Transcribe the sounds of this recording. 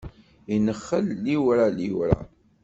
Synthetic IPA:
inəχːəlːiwɾaliwɾa̰

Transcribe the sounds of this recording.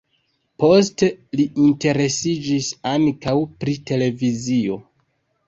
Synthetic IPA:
po̞ste̞liʔinte̞ɾe̞sid͡ʒisaŋkawpɾite̞le̞vizio̞

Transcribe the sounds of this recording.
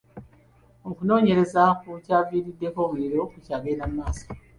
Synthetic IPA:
okuno̞ːɲe̞ɾe̞zakucaːviːɾidːe̞ko̞ːmuɾiɾo̞kucaːɡeːnammːaːsḁ

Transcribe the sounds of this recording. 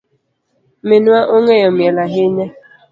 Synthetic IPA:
menuaʔoŋejɔmelaɦeɲe

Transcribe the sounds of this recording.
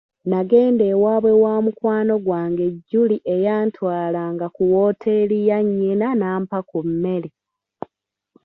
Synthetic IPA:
naɡe̞ːndeːwaːβwe̞waːmukwaːno̞ɡwaːŋɡe̞ɟːuliʔejaːntwaːlaːŋɡakuwo̞ːtʰe̞lijaɲːenanaːmpakumːe̞li

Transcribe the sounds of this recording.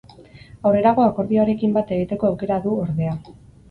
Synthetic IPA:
awre̞ɾaɣo̞ako̞ɾðioaɾe̞kimbat̪e̞ɣ̞it̪e̞ko̞awke̞ɾaðuoɾðe̞a

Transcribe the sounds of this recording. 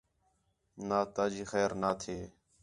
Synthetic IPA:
naːt̪aːd͡ʒiːxɛːɾnaːt̪ʰeː

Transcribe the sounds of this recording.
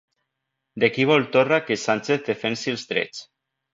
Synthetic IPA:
d̪ekiβ̞ɔlˠt̪orakesant͡ʃeθðefensilˠzt̪ɾḛt͡s

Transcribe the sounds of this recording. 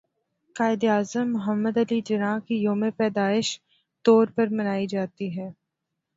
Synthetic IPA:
qaːɪd̪iaːzəmːʊɦəmːəd̪ɐlid͡ʒɐɾãːkijoːmepɛːd̪aːɪʃ | t̪ɔːɾpɐɾmɐnaːid͡ʒaːt̪iɦɛː

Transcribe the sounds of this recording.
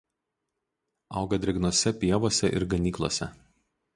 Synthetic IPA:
ɑʊɡɐd̪ʲɾʲɛɡnoɔsʲɛpʲiɛʋoːsʲɛʔɪ̰ɾɡɐnʲiːklˠo̰ːsʲɛ

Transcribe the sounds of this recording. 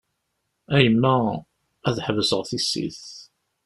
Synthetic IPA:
æjəmːæ | æðħvəsəʁθisːḭθ

